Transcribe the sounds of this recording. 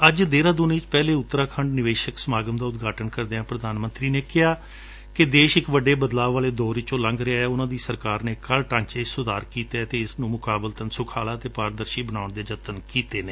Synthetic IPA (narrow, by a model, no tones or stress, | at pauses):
əd͡ʒd̪eːɾãːd̪ʊnĩːt͡ʃpɛːleːʊt̪ːɾaːkʰəɳɖnɪʋeːʃəksəmaːɡəmd̪aːʊt̪ɡaːʈənkəɾd̪eːãːpɾəd̪aːnmə̃nt̪ɾiːneːkɪɦaː | kɪd̪eːʃɪkʋəɖeːbəd̪laːʋːaːleːd̪ɔːɾɪt͡ʃõːləŋɡɾeaɛːʊnãːd̪iːsəɾkaːɾneːkəlʈãːɲt͡ʃeːɪsʊd̪aːɾkiːt̪eːt̪eːɪsnũːmʊkaːbəlt̪ənsʊkʰaːlaːt̪eːpaːɾd̪əɾʃiːbənaːʊɳd̪eːd͡ʒət̪ənkiːt̪eːneː